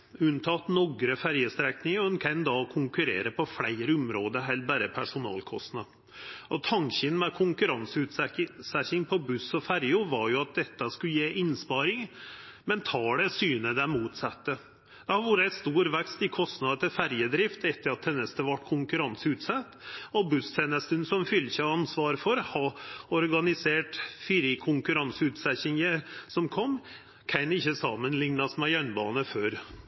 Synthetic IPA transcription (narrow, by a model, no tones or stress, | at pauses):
ʉnt̪ʰɑt̪nɔɡɾəfæɾjəst̪ɾɛknɪŋɔɛnkʰɛnd̪ɑkʰʊŋkʉɾḛːɾəpʰɔflæɪɾəʊmɾoːd̪əɾɦɛlbæːɾəpʰæʂʊnɑ̰ːlkʰɔst̪nɑ | ɔt̪ʰɑŋçənmɛkʰʊŋkʉɾɑnsʉt̪sæçɪŋpʰɔbʉsɔfæɾjʊʋɑɾjʊɑt̪̚d̪ɛt̪ːəskʉjeːʔɪnspɑːɾɪŋmɛnt̪ʰɑːɖɛsyːnəd̪ɛmuːt̪sɑt̪ːə | d̪̥ɛhɑɾʋuːɾəæɪt̪st̪uːɾʋɛkst̪ɪkʰɔst̪nɑd̪ɑt̪ʰɪɾfæɾjəd̪ɾɪft̪ɛt̪ʰːəɾɑt̪̚hɛnːəst̪əʋɑʈːkʰʊŋkʉɾɑnsəʉt̪sɛt̪ːɔbʉst̪ʰeːnəst̪ənsɔmfʏlːçɑɑnsʋɑːɾfɔɾhɑɔɾɡɑnɪseːʈfiɾikʰʊŋkʉɾɑnsəʉːt̪sɛçɪŋəsɔmkʰɔmː | kʰæɪnɪçːəsɑmənlɪŋnɑsmɛjœnbɑːnəføːɾ